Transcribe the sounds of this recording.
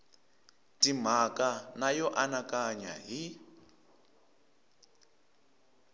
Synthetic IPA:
tim̤akanajɔʔanakaɲa̰ɦi

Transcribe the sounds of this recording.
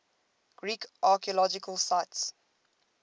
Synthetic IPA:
ɡ̥ɹiːkʔaːˑkiəlɔd͡ʒɪkʰəlsaɪts

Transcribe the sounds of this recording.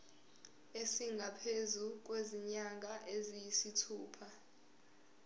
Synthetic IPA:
esiŋɡʱapʰezuk̬ʼweziɲaŋʱʼaʔezijisitʰuːpʰa

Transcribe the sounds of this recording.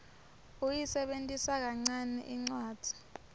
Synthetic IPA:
ujisɛɓentʼisak̬aŋ͡ǀanɛ̰ʔiŋ͡ǀwaːd̥ʱi̥

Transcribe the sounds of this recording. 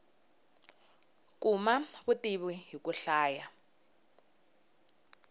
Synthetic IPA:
kumaβutiβiɦikuɬaːja

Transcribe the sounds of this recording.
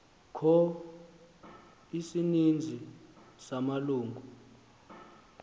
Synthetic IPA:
kʰɔ | isinind͡zʱisamaluːŋɡʱu

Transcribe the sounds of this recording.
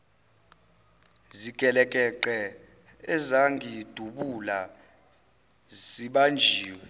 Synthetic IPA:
zikʼɛlɛkʼɛǃɛ | ɛzaŋɡʱid̥ʱuɓula | ziɓand͡ʒʱiːwɛ

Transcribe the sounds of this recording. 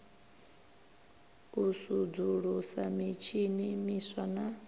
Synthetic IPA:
usud͡zuɺusamit͡ʃʰinimiswana

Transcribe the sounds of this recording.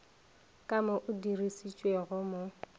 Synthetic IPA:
kʼamʊʔʊdirisit͡ʃʼweɣʊmʊ

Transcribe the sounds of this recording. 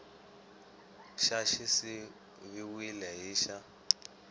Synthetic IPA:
ʃaʃisi | βiwilɛɦiːʃa

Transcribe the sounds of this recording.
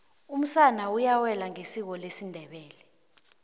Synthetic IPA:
um̩sanaujawɛlaŋesik̬ɔlesindʱɛɓɛːlɛ

